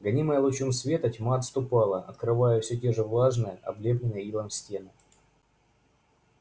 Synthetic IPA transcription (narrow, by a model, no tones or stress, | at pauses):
ɡɐnʲiməjəlˠʊt͡ɕumsvʲe̞t̪ətʲmaɐt̪st̪ʊpɑlˠəʔɐt̪kɾɨvajɛfsʲɵtʲe̞ʐɨvlˠaʐnɨjəʔɐ̰blʲeblʲɪnːɨjəilˠəmsʲtʲe̞nɨ